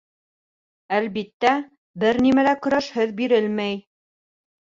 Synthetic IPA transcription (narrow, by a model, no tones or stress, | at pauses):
ælβit̪ːæ | bɘɾnimælækɵ̆ɾæʃhɘðbiɾɘlmæj